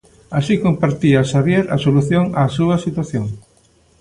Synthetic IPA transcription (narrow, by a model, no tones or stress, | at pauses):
asikompaɾt̪iɐʃaβjeɾɐ̰soluθjoŋaːsuɐsit̪waθjoŋ